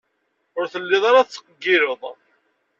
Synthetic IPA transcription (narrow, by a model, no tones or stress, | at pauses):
ʊɾθəlːɪðˤɑɾaθθːə̥qəɡːiɾəðˤ